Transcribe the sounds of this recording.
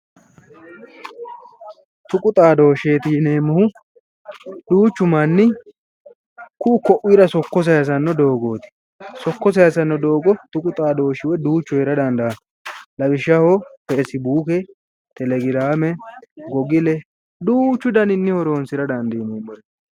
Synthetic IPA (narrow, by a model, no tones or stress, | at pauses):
t̪ʊkʼʊt̪ʼaːd̪o̞ːʃeːt̪ineːmːɔhʊ | d̪uːt͡ʃːʊmɐnːɪ | kʊːkɔʔwiːɾɐsɔkːɔs̬ɐɐs̬ɐnːɔd̪o̞ːɡo̞ːt̪ɪ̥ | sɔkːɔs̬ɐjɐsɐnːɔd̪o̞ːɡɔt̪ʊkʼʊt̪ʼaːd̪o̞ːʃɪwɛd̪uːt͡ʃːɔjɪɾɐd̪ɐnd̪ɐɐ | lɐbɪʃːɐhopesɪbuːkɛ | t̪ɛlɛɡɪɾaːmɛɡɔɡɪlɛ | d̪uːt͡ʃːʊd̪ɐnɪnːɪhɔɾo̞ːnsɪɾɐd̪ɐnd̪iːneːmːɔ